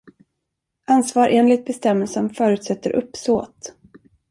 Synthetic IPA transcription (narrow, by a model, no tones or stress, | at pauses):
ʔansvɑːɾʔeːnlɪɡ̚t̪̚bɛst̪ɛmːɛlsənfœːɾʉ̟ːt̪sɛt̪ːəɾʔɵ̰pːsoːt̪